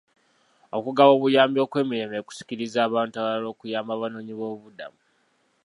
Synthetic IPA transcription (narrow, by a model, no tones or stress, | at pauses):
o̞kuɡawo̞βujaːmbjo̞ːkwe̞ːmiɾe̞meku̥si̥ciɾizaːβaːntaβalo̞ːkujaːmbaβano̞ːɲiβo̞ːβuda̰mu